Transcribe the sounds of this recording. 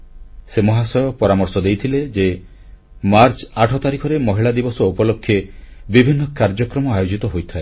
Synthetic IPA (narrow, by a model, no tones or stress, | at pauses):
semɔɦasɔjɔpɔɾamɔɾsɔd̪ejt̪ʰiled͡ʒe | maɾt͡ʃaʈʰɔt̪aɾikʰɔɾemɔɦiɭad̪ibɔsɔupɔlokʰːjebibʱinːɔkaɾd͡ʒɔkɾɔmɔajod͡ʒit̪ɔɦojt̪ʰae